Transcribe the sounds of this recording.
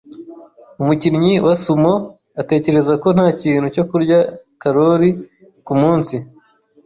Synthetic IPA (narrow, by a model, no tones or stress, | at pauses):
umuciɾɲiwasumo | ate̞ːce̞ɾe̞zako̞n̥haːciːn̥huco̞kuɾɟakaɾo̞ɾi | kumuːnsi